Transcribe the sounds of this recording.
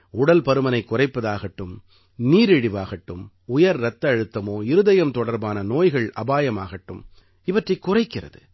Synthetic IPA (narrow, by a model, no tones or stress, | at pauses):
ʊɽɐlpɐɾɯmɐnɐɪkːʊrɐɪpːɐðaːɣɐʈːɯm | niːɾɛɽɪʋaːɣɐʈːɯm | ʊjɐɾɾɐt̪ːɐɻɯt̪ːɐmoːɪɾɯðɐjɐmt̪ɔɽɐɾbaːnɐnoːjɣɐɭʔɐ̰baːjɐma̰ːɣɐʈːɯm | ɪʋɐʈrɐɪkːʊrɐɪkːɪrɐ̰ðɯ